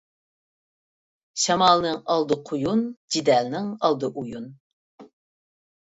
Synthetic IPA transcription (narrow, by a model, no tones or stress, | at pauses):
ʃɑmɑlˠnɨŋɑlˠd̪ɨqʰʊjund͡ʒid̪ɛlnɪŋɑlˠd̪ɨʔujun